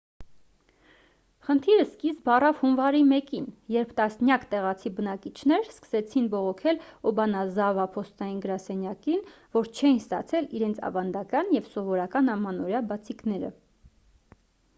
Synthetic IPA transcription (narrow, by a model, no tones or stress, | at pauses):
χənt̪ʰiɾəskisbɑrɑvhunvɑɾimɛkinjɛɾpʰt̪ɑsnjɑkt̪ɛʁɑt͡sʰibənɑkit͡ʃʰnɛɾskə̥sɛt͡sʰinbɔʁɔkʰɛlɔbɑnɑzɑvɑpʰɔst̪ɑjinɡəɾɑsɛnjɑkin | vɔɾt͡ʃʰɛjinst̪ɑt͡sʰɛliɾɛnt͡sʰɑ̰vɑnd̪ɑkɑnjɛvsɔvɔɾɑkɑnɑmɑnɔɾjɑbɑt͡sʰiknɛɾə̰